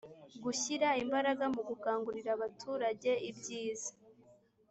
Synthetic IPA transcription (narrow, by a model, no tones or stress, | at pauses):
ɡuçiɾaimbaɾaɡamuɡukaːŋɡuɾiɾaβatʰuːɾaɟe̞ibɟiːzḁ